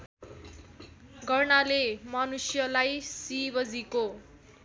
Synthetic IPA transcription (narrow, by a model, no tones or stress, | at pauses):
ɡʱʌrnalemʌnusjʌlajsibʌd͡ziko